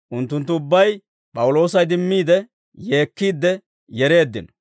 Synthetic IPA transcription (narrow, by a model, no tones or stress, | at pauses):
ʔʊnt̪ːʊnt̪ːʊʊbːɐj | pʼɐwʊlo̞ːsɐjd̪ɪmːiːd̪ɛ | jeːkːiːd̪ːɛ | jɛɾe̞ːd̪ːɪ̰n